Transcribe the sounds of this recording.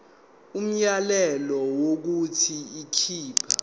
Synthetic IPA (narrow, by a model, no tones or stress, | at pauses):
um̩jalɛlɔwok̬utʰiikʰiːpʰa